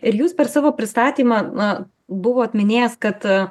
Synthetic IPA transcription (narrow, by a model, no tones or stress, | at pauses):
ɪɾjuːspʲɛɾsɑːʋoːpʲɾʲɪst̪ɑːt̪ʲiːmɑ | bʊʋoːɐt̪ʲmʲɪnʲeːjɛskɐt̪